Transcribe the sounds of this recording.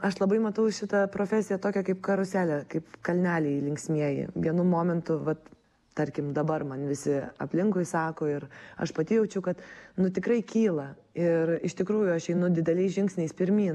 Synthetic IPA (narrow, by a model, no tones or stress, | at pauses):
ɐʃlˠɐbɐɪmɐt̪ɐʊʃʲɪt̪ɐpɾoːfʲæːsʲɪjɛt̪oːkʲɛkɐɪpkɐɾʊsʲæːlʲɛkɐɪpkɐlʲnʲæːlʲɛɪlʲɪŋksʲmʲiɛjɪ̰ɡʲinʊmoːmʲɛnt̪ʊʋɐt̪ | t̪ɐɾʲkʲɪmd̪ɐbɐrmɐnʋʲɪsʲɪɐ̰pʲlʲɪŋkʊɪsɑːkoːɪɾɐ̰ʃpɐt̪ʲɪjɛʊt͡ʃʲɛʊkɐt̪nʊt̪ʲɪkɾɐɪkʲiːlˠɐ | ɪrɪʃt̪ʲɪkɾuːjʊɐʃɛɪnʊd̪ʲɪd̪ʲɛlʲɛɪsʒʲɪŋksʲnʲɛɪspʲɪɾʲmʲiːn